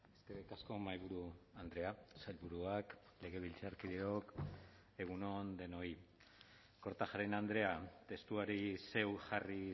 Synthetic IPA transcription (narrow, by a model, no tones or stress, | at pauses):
eskeɾikasko̞majβuɾuand̪ɾe̞asaʎβuɾuak | le̞ɣ̞e̞β̞ilt͡saɾkiðeo̞k | e̞ɣ̞uno̞nd̪e̞no̞i | ko̞ɾt̪aʝaɾenand̪ɾe̞at̪e̞st̪uaɾise̞wxari